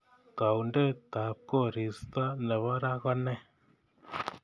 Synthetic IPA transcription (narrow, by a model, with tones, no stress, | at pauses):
ka˨wnde˦t̪a˨p̚ko˦˨ɾi˨st̪ɔ˦nɛ˨βɔ˦ɾa˦ɣɔ˦nɛ˦